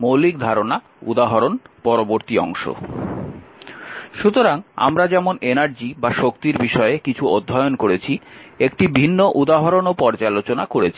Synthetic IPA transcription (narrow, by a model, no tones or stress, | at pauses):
mowlik̚d̪ʱaɾona | ṵd̪aɦaɾonpɔɾoboɾt̪iɔ̰ŋʃo̰ | ʃut̪oɾaŋa̰mɾad͡ʑɛmonenaɾd͡ʑibaʃokt̪iɾbiʃɔeekit͡ɕʰuod̪ʱːaeonkoɾet͡ɕʰiekʈibʱinːoʔud̪aɦoɾonopɔɾd͡ʑalot͡ɕonakoɾet͡ɕʰi̥